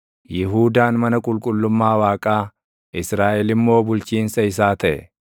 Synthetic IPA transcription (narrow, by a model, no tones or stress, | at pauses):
jɪɦuːd̪aːnmɐnɐkʼʊlkʼʊlːʊmːaːwaːkʼaː | ʔɪsɾaːʔɛlɪmːo̞ːbʊlt͡ʃiːnsɐɪs̬aːt̪ɐʔɛ̰